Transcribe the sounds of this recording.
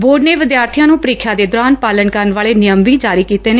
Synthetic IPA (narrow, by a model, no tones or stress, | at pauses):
boːɾɖneːʋɪd̪jaːɾt̪ʰijãːnũːpəɾiːkʰːjaːd̪eːd̪ʊɾaːnpaːləɳkəɾənʋaːɭeːnɪjəmʋiːd͡ʒaːɾiːkiːt̪eːneː